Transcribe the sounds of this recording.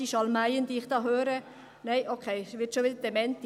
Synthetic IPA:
iʃɑlmæɪənd̥̪iːɪχd̥ɑːɦøːɾə | nɛɪʔokʰeɪsʋɪtʃoʋɪdəd̥ɛmɛnt

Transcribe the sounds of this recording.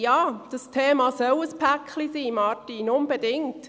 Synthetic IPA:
jɑːd̥ɑstʰeːmɑːsœwəspʰækχlisiːmɑtinʊmbedɪŋt

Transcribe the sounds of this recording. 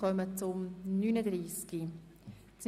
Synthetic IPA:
œmət͡sʊmnynədɾiːski | t͡s

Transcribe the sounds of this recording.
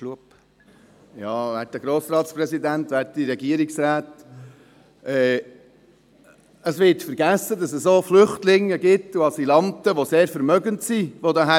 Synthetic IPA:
luəp | jɑːʋæt̚d̥əɡ̥ɾoːsɾɑːtsprɛsidænt̪ʋæt̚diɾɛɡiəɾiksɾæːt | ɛː | əsʋɪtfəɾɡæsədɑsəssoːflʏχtlɪŋːəɡɪtːuɑsilɑnt̪əʋoseːɾfəɾmœɡəntsiʋodɑɦæ

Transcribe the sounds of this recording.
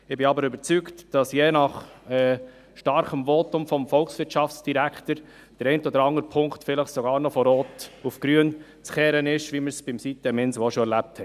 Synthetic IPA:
ɪbɪɑbəɾʏbəɾt͡syktd̥ɑsjeːnɑχɛ | ʃtɑɾχəmvɔtʊmfɔmfɔlksʋɪɾtʃɑft͡sd̥iɾæktəɾ | d̥əɾɛɪntɔd̪əɾɑŋəɾpʰʊŋktfɪləχsɔɡɑːɾnɔfɔɾoːtufɡ̥ɾyən | t͡sχɛːɾənɪʃʋiməɾsb̥ɪmsitəmɪnsʋɔʃɔɛɾlæp̚thɛ

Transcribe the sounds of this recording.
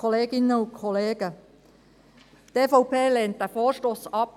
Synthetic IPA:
ɔleːɡɪnəʊkʰɔleːɡ̥ə | t̪eːfɔʊpeːleːnt̚dæfoːɾʃtosɑp̚

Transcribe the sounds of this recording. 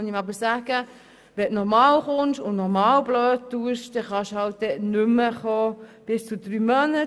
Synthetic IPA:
nimɑbəɾsæːɡ̥ə | ʋɛnɔɾmɑːlχʊnʃʊnnɔɾmɑːlbløːt̚tuəʃd̥ɛχɑʃhɑlt̚d̪ɛnʏmːəχoːb̥ɪst͡sʊd̥ɾyːmœnə

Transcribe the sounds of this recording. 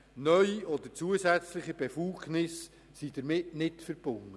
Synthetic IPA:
nœʏiɔd̪əɾt͡suəsæt͡slɪχibefuɡ̥nɪs | sid̥əɾmɪtnɪtfəɾb̥ʊŋə

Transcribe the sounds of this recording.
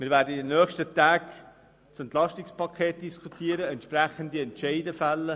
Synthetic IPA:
mɪːɾʋæːɾdədənœːχʃtət̪æːk | sɛnt̪lɑʃtikspɑkʰeːt̚d̥iskʰutʰiːəɾəɛntʃpræχənd̪iɛntʃɛɪdəfælːə

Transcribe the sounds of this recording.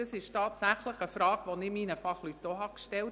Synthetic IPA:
dɑsɪʃtɑːtsæχləχəfɾɑːɡʋonɪminəfɑχlytdoɦɑkʃtɛl

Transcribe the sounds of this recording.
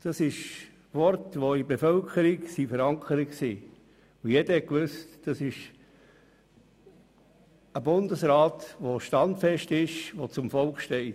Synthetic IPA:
d̥ɑsɪʃ | ʋɔɾtʋoibefœlkʰəɾiksifəɾɑŋkʰəɾikksiː | ujɛd̥əhɛkʋʏstd̥ɑsɪʃ | əbʊndəsɾɑːt̪ʋoʃtɑndfɛʃtɪʃʋot͡sʊmfɔlkχʃtɛɪt

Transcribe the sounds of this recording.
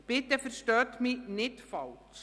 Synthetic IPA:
pɪt̪əfəɾʃtœːt̪minɪt̪fɑlt͡s

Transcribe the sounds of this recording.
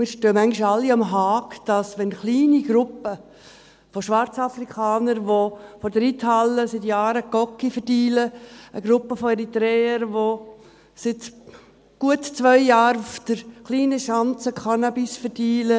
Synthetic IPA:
mɪːɾʃtøːmæŋɡiʃɑlːiɑmɦɑːkd̥ɑsʋɛnχliːniɡ̥ɾʊpə | foʃʋɑɾt͡sɑfrikʰɑːnəɾʋofɔɾdəɾithɑlːəsɪtjɑːɾəkɔkːifərdiːləəɡ̥ɾʊpːəfoɛɾit̪ɾɛːəɾʋo | sɪt | ɡ̥uətt͡sʋœʏjaːɾʊfd̥əɾχliːnəʃɑnt͡səkʰɑnabisfəɾdiːlə

